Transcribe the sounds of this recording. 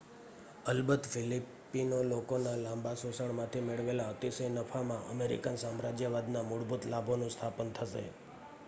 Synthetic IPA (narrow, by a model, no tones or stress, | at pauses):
əlbət̪filipː | inolokonalãmbasosəɳmãt̪ʰimeɭʋelaət̪isəjnəfʰamãʔə̰meɾḭkansamɾad͡ʒjəʋad̪namʊɽbut̪labʱonũst̪ʰapənt̪ʰəʃḛ